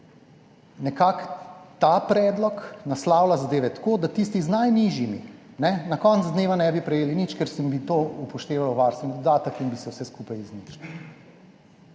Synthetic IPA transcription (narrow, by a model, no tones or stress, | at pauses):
nɛkakt̪apɾɛːd̪lɔknaslawlazad̪eːʋɛt̪ḁkoːd̪at̪ist̪iznajniʒjimḭ | nɛnakɔnt̪zd̪neːʋanɛbipɾɛjeːlinit͡ʃkɛɾsəmbit̪oupɔʃt̪eːʋawʋaɾst̪ʋɛnid̪ɔd̪aːt̪əkinbisɛwsɛskupajiznit͡ʃniw